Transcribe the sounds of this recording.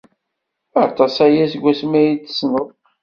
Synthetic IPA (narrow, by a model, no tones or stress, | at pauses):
ɑt̪ˤɑsæjæsɡʷːæsmæjit͡sːsnəð